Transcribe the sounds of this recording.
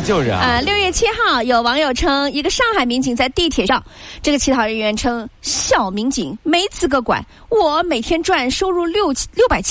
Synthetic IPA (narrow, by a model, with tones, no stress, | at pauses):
t͡ɕjo˥˧ʊʂə˧˩ə˧ljo˥˧ʊɥɛ˥˩t͡ɕʰi˥xɑ˥˩ʊjo˨˩ʊwɑ˧˥ŋjo˨˩ʊʈ͡ʂʰɤ˥ŋi˧˥ɡə˧ʂɑ˥˩ŋxa˨˩ɪmi˧˥ŋt͡ɕi˨˩ŋt͡sa˥˧ɪt̪i˥˩˧t̪ʰjɛ˨˩ʂɑ˥˧˩ŋʈ͡ʂɤ˥˩ɡə˩t͡ɕʰi˧˥t̪ʰɑ˨˩ʊɻə˧˥nɥɛ˧˥nʈ͡ʂʰɤ˥ŋɕjɑ˨˩ʊmi˧˥ŋt͡ɕḭ˨˩˦ŋme˧˥ɪt͡sʰɹ̩˨˩ɡə˧˩kwa̰˨˧˦n | wɔ˨˩me˨˩ɪt̪ʰjɛ˥nʈ͡ʂwa˥˩nʂo˥ʊɻu˥˧ljo˥˧ʊ˥ljo˥˩ʊpa˨˩ɪt͡ɕʰ